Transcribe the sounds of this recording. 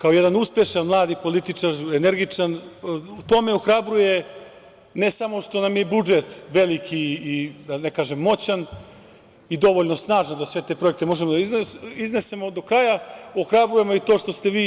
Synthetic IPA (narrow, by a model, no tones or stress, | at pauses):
kaojed̪anuspjeʃanmlˠaːd̪ipo̞lit̪it͡ʂaɾeneɾɡit͡ʂanut̪o̞meoxɾabɾuje̞ | ne̞samo̞ʂt̪o̞namjebud͡ʒe̞t̪ʋe̞likʰiːd̪anekaːʒemːo̞t͡ɕan | id̪o̞ʋoʎno̞snaːʒand̪asʋe̞t̪e̞pɾo̞ek̚t̪emo̞ʒemod̪aiizne̞se̞mo̞d̪okɾajaoxɾabɾuje̞mo̞it̪oːʂt̪o̞st̪eʋiː